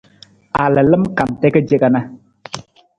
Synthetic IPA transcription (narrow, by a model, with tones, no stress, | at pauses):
a˨lɨ˨lɨ˦mka˨m˨tɛ˦kə˦d͡ʒe˦ɡa˨na˦